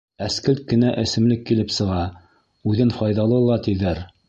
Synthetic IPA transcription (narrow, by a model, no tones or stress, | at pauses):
æskɘlt̪̚kɘ̆næʔɘ̆sɘ̆mlɘkːilɘpsɤ̆ʁɑ | ʉðɘnfɑjðɑlˠɤlˠɑt̪iðæɾ